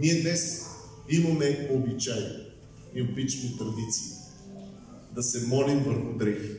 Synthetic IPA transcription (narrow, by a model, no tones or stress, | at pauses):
niɛd̪nɛs | imɐmɛpoːbit͡ʃaj̪o | iobit͡ʃnit̪ɾɐd̪it̪siː | d̪ɐsɛmɔlimvəɾxʊd̪ɾɛxi